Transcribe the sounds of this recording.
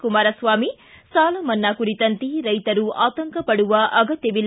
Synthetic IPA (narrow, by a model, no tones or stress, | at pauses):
kumaːɾɐsʋaːmi | saːlɐmɐnːaːkuɾit̪ɐnt̪iɾɐjt̪ɐɾuʔaːt̪ɐŋkɐpɐɽuʋɐʔɐɡɐt̪jɐʋil